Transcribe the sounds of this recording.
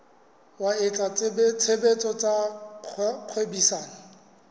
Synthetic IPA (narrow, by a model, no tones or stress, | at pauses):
waɪt͡ɬʼat͡sbt͡sʰebet͡sʼɔt͡sʼa | q͡χʰwebisaːnɪ